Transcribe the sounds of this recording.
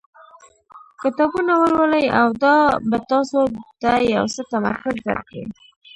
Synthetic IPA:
kɪt̪ɑbunawəlwəlaja̰wd̪ɑbat̪ɑsod̪̥əja̰wsət̪ama̰ɾkʊzd̪a̰ɾka̰ḭ

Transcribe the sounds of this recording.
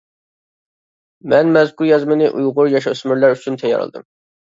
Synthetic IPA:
mɛnmɛzkʰuɾjɑzmɨnɪʔujʁʊɾjɑʃɑsmyɾlæɾyt͡ʃʰynt̪ʰɛjːɑ̰ɾɨ̰lˠd̪ɨ̰m

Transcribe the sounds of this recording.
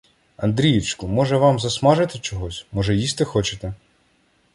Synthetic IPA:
ɐnd̪ɾʲijɪt͡ʃkʊmɔʒɛʋɑmzɐsmɑʒɪt̪ɪt͡ʃɔɦɔsʲmɔʒɛjisʲt̪ɪxɔt͡ʃɪt̪ɛ

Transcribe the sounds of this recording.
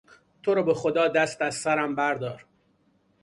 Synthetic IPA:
t̪ʰoɾɒːbexod̪ɒːd̪æst̪æzsæɾæmbæɾd̪ɒːɾ

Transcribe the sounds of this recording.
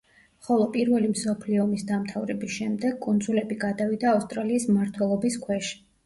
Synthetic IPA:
χɔlˠɔpʼiɾvɛlimsɔpʰliɔɔmisd̪amt̪ʰavɾɛbisʃɛmd̪ɛɡkʼund̪zulɛbiɡad̪avid̪aːfst̪ʼɾaliːsmaɾt̪ʰwɛlˠɔbiskʰwɛʃi̥

